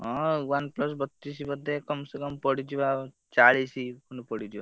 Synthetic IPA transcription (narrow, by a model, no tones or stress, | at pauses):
ɦɔ̃wanplɔs̬bɔt̪ːis̬ibɔd̪ʱːekɔmsɔkɔmpɔɽid̪iba | t͡ʃaɭisikunupɔɽid͡ʒ̪iba̰